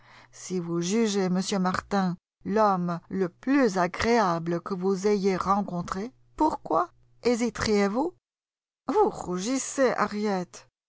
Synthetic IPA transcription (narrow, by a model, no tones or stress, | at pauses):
sivuʒyʒeməsjømaʁt̪ɛ̃ | lɔmləplyzaɡʁeabləkəvuzejeʁɑ̃kɔ̃t̪χe | puʁkwa | ezit̪ʁjevu | vuʁuʒiseʔa̰ʁjɛt̪